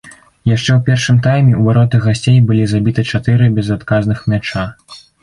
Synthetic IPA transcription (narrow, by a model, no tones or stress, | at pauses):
jaʂt͡ʂɛwpʲɛrʂɨmt̪ajmʲɛuvaɾɔt̪ɨɣasʲt͡sʲejbɨlʲizabʲit̪ɨt͡ʂat̪ɨɾɨbʲɛzat̪kaznɨxmʲat͡ʂa